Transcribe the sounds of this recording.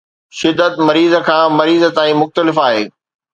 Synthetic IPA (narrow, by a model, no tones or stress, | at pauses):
ʃɪd̪ːət̪mɐɾiːzə̆kʰãːmɐɾiːzə̆t̪aːĩmʊxt̪əlɪfaːɦeː